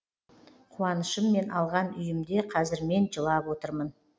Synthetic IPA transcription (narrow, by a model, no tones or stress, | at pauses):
qʰuɑnəʃəmːe̞nʔɑlˠʁɑnʏjɪmd̪e̞qʰɑzɪɾme̞nʒəlˠɑpwo̞t̪əɾmən